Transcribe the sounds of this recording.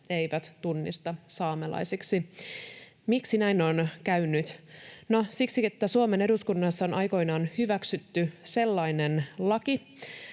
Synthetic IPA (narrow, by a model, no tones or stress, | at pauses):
eiʋæt̪t̪unːḭst̪ɑsɑːmelɑ̰isiksi | miksinæinonkæynːyt̪nosiksiet̪ːæsuome̞ne̞duskunːɑsːɑonʔɑjko̞inɑːnhyʋæksyt̪ːyse̞lːɑinenlɑki